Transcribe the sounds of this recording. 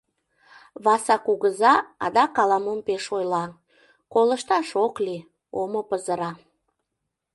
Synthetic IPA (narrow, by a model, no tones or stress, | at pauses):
βɑsɑkuɣəzɑɑd̪ɑkɑlɑmompeʃojlɑ | koləʃt̪ɑʃokli | omopəzəɾɑ